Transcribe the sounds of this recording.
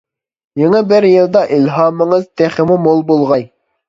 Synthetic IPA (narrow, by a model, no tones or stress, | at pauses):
jeŋɛbɪɾjilˠd̪ɑʔilɦɑːmɪŋɨzt̪ʰeχɪmumolˠbolˠʁɑj